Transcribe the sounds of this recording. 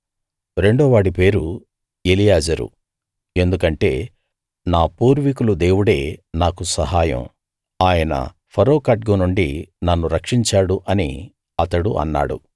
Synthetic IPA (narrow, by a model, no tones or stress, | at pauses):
ɾe̞ɳɖɔːʋaːɽipe̞ːɾu | elijaːd͡ʒɐɾṵ | e̞nd̪ukɐɳʈe̞ː | naːpuːɾʋikulud̪e̞ːwuɽe̞ːnaːkusɐɦaːjɐ̰m | aːjɐnɐ̰ | pʰɐɾoːkɐʈɡonuɳɖinɐnːuɾɐkʂiɲt͡ʃaːɽuʔɐnḭ | ɐt̪ɐɽuʔɐ̰nːa̰ːɽṵ